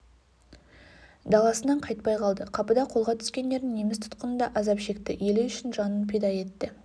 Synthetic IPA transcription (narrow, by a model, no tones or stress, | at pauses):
d̪ɑlˠɑsənɑɴqʰɑjt̪̚pɑjqʰɑlˠd̪əqʰɑpəd̪ɑqʰo̞lˠʁɑt̪ʰʏ̥skʲe̞nd̪e̞ɾd̪ɪŋne̞mɪst̪ʰʊ̥t̪qənənd̪ɑʔɑzɑpʃe̞kt̪ɪje̞lɪʏʃɪnʒɑnənpʰed̪ɑje̞t̪ːɪ